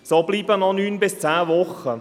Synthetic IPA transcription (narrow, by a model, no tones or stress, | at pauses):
sobliːbənɔnyːnbɪst͡saːvɔχə